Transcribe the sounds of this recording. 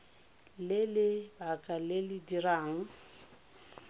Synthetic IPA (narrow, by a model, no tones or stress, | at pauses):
lɪlɪbakʼalɪlɪdiraːŋ̩